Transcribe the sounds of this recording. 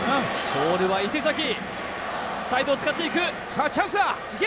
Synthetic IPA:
akoːɾɯ̟βaise̞zak̬ʲi | sait̪oːt͡sɨ̥kat̪ːe̞ikɯ̟ | sat͡ɕãs̬ɨa

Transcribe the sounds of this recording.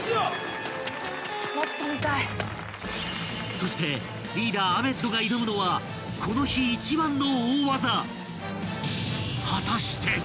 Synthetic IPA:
mot̪ːomʲit̪ai | so̞ɕi̥t̪e̞ | ɾʲiːɾaːbe̞t̪ːo̞ɡaiɾomɯ̟no̞βa | kʰo̞no̞çiːt͡ɕibãnːo̞oːβaza | hat̪aɕi̥t̪ʰe̞

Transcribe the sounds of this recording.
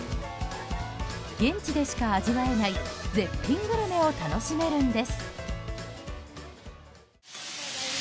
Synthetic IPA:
ɡ̥ẽ̞ɲ̟t͡ɕid̪e̞ɕi̥kaːʑiβae̞naize̞mpʲːĩŋɡɯɾɯme̞o̞t̪ano̞ɕime̞ɾɯ̟̃nd̪e̞sɨ̥

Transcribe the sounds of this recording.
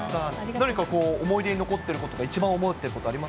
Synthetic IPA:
anaɲ̟ikako̞ːmo̞id̪e̞ɲino̞ko̞t̪ːe̞ɾɯ̟ko̞t̪o̞ɡait͡ɕibãomot̪ːeɾɯ̟ko̞t̪oaɾʲimas

